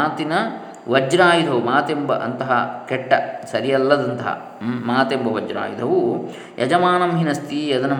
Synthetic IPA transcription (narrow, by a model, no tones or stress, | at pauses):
aːt̪inɐ | ʋɐd͡ʒɾaːjud̪ʱɐʋumaːt̪embɐʔɐnt̪ɐɦɐkɛʈːɐsɐɾijɐlːɐd̪ɐnt̪ɐɦɐ̰ | maːt̪embɐʋɐd͡ʒɾa̰ːjṵd̪ʱɐʋu | jʔɐ̰d͡ʒɐmaːnɐmɦinɐst̪iːjɐd̪ɐnɐ